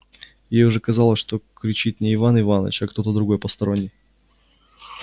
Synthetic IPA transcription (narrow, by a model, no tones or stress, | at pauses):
jejʊʐɛkɐzɑlˠəsʲʂt̪o̞kɾʲɪt͡ɕit̪nʲɪːvanɪvanə̰t͡ɕɐkt̪o̞t̪əd̪ɾʊɡo̞jpəst̪ɐɾo̞nʲːɪj